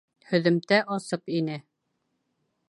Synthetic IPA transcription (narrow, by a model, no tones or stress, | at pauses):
hɵ̆ðɵ̆mt̪æʔɒsɤpinɘ